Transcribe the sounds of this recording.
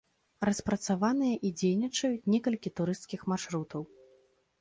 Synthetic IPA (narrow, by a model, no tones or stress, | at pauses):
rɐspɾɐt̪savanɨjɐʔid͡zʲejnʲit͡ʂɐjut͡sʲnʲɛkɐlʲkʲit̪uɾɨst̪kʲixmarʂɾut̪ɐw